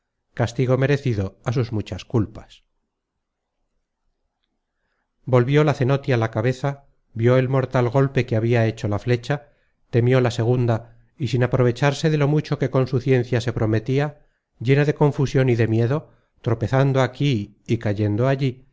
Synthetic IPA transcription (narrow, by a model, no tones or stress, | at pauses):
kast̪iɣo̞me̞ɾe̞θiðo̞asuzmut͡ʃaskulpḁs | bo̞lβjo̞laθe̞no̞t̪ialakaβe̞θa | bjo̞e̞lmo̞ɾt̪alɣ̞o̞lpe̞keaβiae̞t͡ʃo̞lafle̞t͡ʃa | t̪e̞mjo̞lase̞ɣ̞und̪a | isinapɾo̞β̞e̞t͡ʃaɾse̞ðe̞lo̞mut͡ʃo̞ke̞ko̞nsuθje̞nθjase̞pɾo̞me̞t̪ia | ʝe̞naðe̞ko̞ɱfusjo̞niðe̞mje̞ðo̞ | t̪ɾo̞pe̞θand̪oakiː | kaʝe̞nd̪o̞aʎi